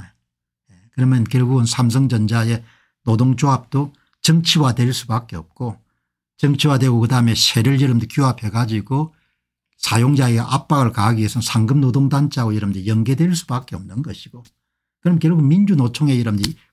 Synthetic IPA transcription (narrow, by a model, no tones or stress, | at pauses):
e | jekɯɾʌmjʌnkjʌɭɡuɡɯnsʰams̬ʰʌŋd͡ʑʌnd͡ʑae | nodoŋd͡ʑoɦap̚t͈o | t͡ɕʌŋt͡ɕʰiwadweɭs͈ubak͈e̞ʌp̚k͈o | t͡ɕʌŋt͡ɕʰiwadweɡokɯdaɯme̞ɕʰe̞ɾɯɭjɯɾɯmdokjuapʰe̞ɡad͡ʑiɡo | sʰajoŋd͡ʑaiɡaʔap̚p͈aɡɯɭkaɦaɡiesʰʌnsʰaŋɡɯmnodoŋdant͡ɕʰaɡojʌɾɯmdijʌŋɡe̞dweɭs͈ubak͈e̞ʌmnɯnɡʌɕʰi̥ɡ̥o | kɯɾʌmkjʌɭɡuɡɯnmind͡ʑunot͡ɕʰoŋe̞jʌɾɯmdi